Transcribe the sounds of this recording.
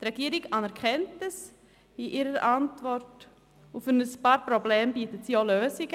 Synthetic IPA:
tɾɛɡiːəɾiɡɑnɛɾkʰɛntəs | iʔiɾəɾʔɑntvɔrt | ufənəspɑːɾprobleːmbiːtətsiːoløːsɪɡə

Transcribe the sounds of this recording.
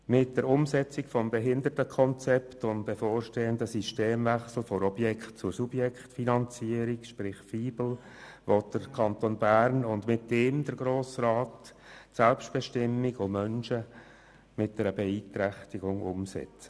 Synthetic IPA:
mɪt̚d̥əɾʊmsɛt͡sikfɔmbɛɦɪndərtəkʰɔnt͡sɛptʊnbefoːɾʃteːəndəsiʃteːmvɛχsl̩fɔɾɔbjɛkχtt͡sʊɾsubjɛkχtfinɑnt͡siəɾikʃpɾɪχfiːbl̩ | ʋɔt̚d̥əɾkʰɑntonbæɾnʊndmɪtːeːmdəɾɡɾoːsraːtsɛlpʃtb̥ɛʃtɪmːikomœnʃə | mɪt̚d̥ɛɾəbɛiːt̪ɾɛχtiɡʊŋʊmsɛ̰t͡sə̥

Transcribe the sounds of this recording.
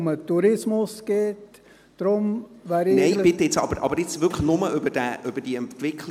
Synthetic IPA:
mətːuɾɪsmʊsɡ̥eːtː | ɾʊmʋæːɾɪneɪbɪt̪ːəɪt͡sɑ̰b̥əɾʔɑ̰bəɾɪt͡sʋʏkχlnʊməʏbəd̥ɛʔøb̥əɾd̥iəɛnt̪ʋɪkʰl

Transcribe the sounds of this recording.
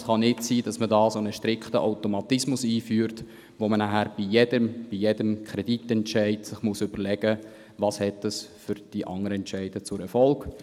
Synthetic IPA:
sχɑnɪtsiːd̥ɑsmədɑːsonəʃtɾɪkχtəʔaʊtomɑt̪ɪsmʊsiːfyːɾt | ʋomənæɦæɾb̥ijedəmb̥ijedəmkʰɾɛd̥itɛnt͡ʃæɪtsɪχmusʏb̥əɾlɛɡ̥ə | ʋɑshɛtəsfʏɾd̥iʔɑŋəɾəɛntt͡ʃæɪd̥ət͡sʊɾɛɾfɔlɡ̥

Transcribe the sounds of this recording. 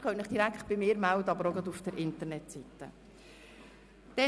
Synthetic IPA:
kœtnɪχd̥iɾækχt̪̚b̥ɪmɪːɾmæwdəɑbəɾɔɡɑd̪ufd̥əɾʔɪnt̪əɾnɛtsit̪ːə̰ | d̪̥ɛ

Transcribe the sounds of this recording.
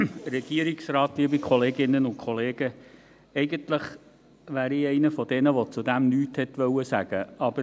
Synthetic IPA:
ɾɛɡ̥iəɾiksrɑːtliəbikʰχɔleːɡɪnːənʊntkʰχɔleːɡ̥ə | ɛɪɡəntləχ | ʋæːɾiɛɪnəfɔdɛnəʋɔt͡sudæmnyːthɛtʋœwəsæɡ̥əɑb̥əɾ

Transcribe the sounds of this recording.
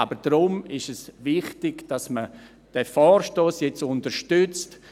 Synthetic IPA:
abəɾd̥ɾʊmɪʃɛsʋɪχtɪɡ̥d̥asmə | d̥ɛfɔːɾʃtoːsjɛt͡sʊntəɾʃtʏt͡st

